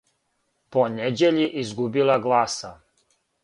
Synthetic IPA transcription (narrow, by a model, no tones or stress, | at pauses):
poned͡ʑeʎiʔizɡubilaɡlˠaːsa